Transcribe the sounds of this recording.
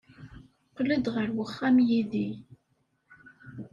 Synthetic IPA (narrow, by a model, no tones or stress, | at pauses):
qləd̪ʁəɾwəχːæmjiði